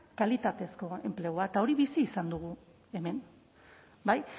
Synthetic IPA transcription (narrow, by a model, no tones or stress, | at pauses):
kalit̪at̪e̞sko̞e̞̰mple̞ɣ̞oat̪ao̞ɾiβisiːsand̪uɣ̞u | e̞me̞n | baj